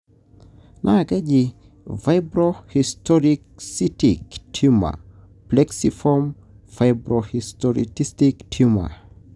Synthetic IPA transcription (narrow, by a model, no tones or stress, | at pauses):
nʔaɡed͡ʒi | vaɪbɾɔhistʰɔɹiksitiktʰuma̰ | plɛksifɔm | faɪbɹɔhistɔɹḭtistiktʰuma̰